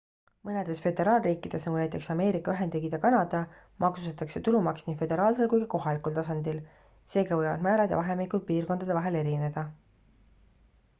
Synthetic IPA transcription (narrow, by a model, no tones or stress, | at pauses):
mɤne̞d̪̥e̞sfe̞d̪e̞ɾɑːlriːkːˑid̪̥e̞snɑɡunæjt̪ˑe̞ksɑme̞ːɾikːˑɑyɦe̞nd̪eɡid̪ɑkɑnɑd̪̥ɑ | mʔɑksu̥st̪ɑt̪ːˑɑkse̞t̪ulumɑksniːfe̞d̪e̞ɾɑːlse̞lkujɡɑko̞ɦɑlikult̪ɑsɑnd̪̥il | se̞ːɡ̥ɑvɤjvɑ̰d̪̥mæːɾɑd̪jɑ̰vɑɦe̞mikult̪̚piːrko̞nd̪̥ɑd̪evɑɦe̞le̞ɾine̞d̪̥ɑ